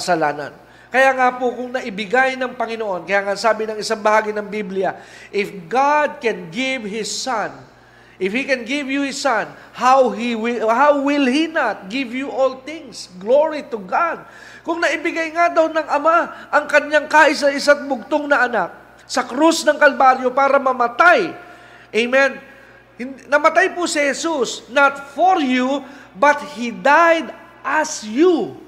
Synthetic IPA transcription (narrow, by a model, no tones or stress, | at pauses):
ɐsɐlaːnɐ̰n | kɐjaːŋapʊkʊŋnɐʔɪbɪɡajnɐŋpɐŋɪnoʔo̞nkɐjaːŋasaːbɪnɐŋɪsaŋbɐhaːɡɪnɐŋbibljɐʔɪfɡad̪̚kɛnɡɪvhɪsːan | ʔɪfhikɛnɡɪvjuhɪsːan | hawɦiwɪhawːɪlhinat̪̚ɡɪvjuʔolt̪ɪ̃ŋsɡloɹit̪ʊɡad̪̚ | kʊŋnɐʔɪbɪɡajŋad̪ɐwnɐŋɐmaʔɐŋkɐɲaŋkaːʔɪsɐʔɪsat̪̚bʊɡ̚t̪oŋnɐʔɐnak̚ | sɐkɾusnɐŋkɐlbaɾjopaːɾɐmɐmɐt̪aj | ʔejmɛn | hɪnnɐmɐt̪ajpʊsɪhɛsusnat̪foɾjubɐt̪hid̪ajd̪ | ʔɐsju